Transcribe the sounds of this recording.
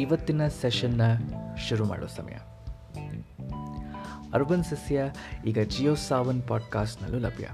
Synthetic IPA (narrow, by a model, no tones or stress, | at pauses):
iʋɐt̪ːinɐseʃɐnːɐʃuɾuma̰ːɽṵsɐ̰mɐ̰jɐ̰ | ɐɾʋɐnsɐsjɐiːɡɐd͡ʒiːjoːsaːʋɐnpaːɖkaːsʈnɐ̰lːulɐ̰bʱjɐ̰